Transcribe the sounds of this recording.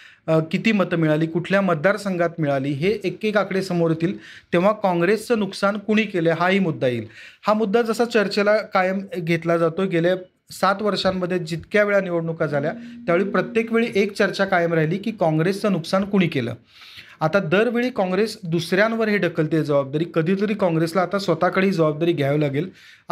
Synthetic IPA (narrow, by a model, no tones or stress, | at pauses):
kit̪iːmət̪əmiɭaliːkuʈʰljamət̪̚d̪ːaɾsəŋɡʱat̪miɭaliːɦeʔekːekakɽesəmoɾt̪iːlt̪ẽʋ̤akɔ̃ŋɡɾest͡səːnuksankuɽ̃iːkeləɦaɦiːmud̪ʱːajḭːlhamud̪ʱːad͡zəsat͡ɕəɾt͡ɕelakajəmɡʱet̪lad͡zat̪oɡʱele | sat̪ʋəɾʂamːəd̪ʱːjed͡ʑit̪kjaʋeɭaniʋəɽɳukad͡zʱaljat̪jaʋeɭiːpɾət̪jekʋeɭiːʔekt͡ɕəɾt͡ɕakajəmɾaɦiliːkiːkɔ̃ŋɡɾest͡sənuksankuɽ̃iːkelə̰ː | at̪ad̪əɾʋeɭiːkɔ̃ŋɡɾesd̪usɾjãnʋəɾɦeɖəkʰəlt̪ed͡zəʋab̚d̪aɾiːkəd̪ʱiːt̪̬əɾiːkɔ̃ŋɡɾeslaːt̪asʋət̪akəɽ̤iːd͡zəʋab̚d̪aɾiːɡʱjaʋlaɡel